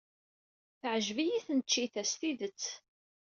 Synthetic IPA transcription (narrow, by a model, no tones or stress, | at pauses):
θəʕəʒvijiθənət͡ʃːiθæst̪iðət͡sː